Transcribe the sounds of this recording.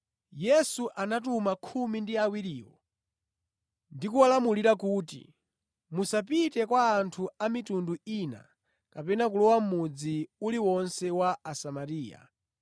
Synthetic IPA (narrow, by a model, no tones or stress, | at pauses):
jɛsuʔanat̬umakʰumindiawiɾiːwɔ̰ | ndikualamuliɾakutḭ | musapitɛkwaːntʰuamitunduina̰ | kapɛnak̬ulɔwam̩mud͡ziuliwɔnsɛwaːsamaɾiːja̰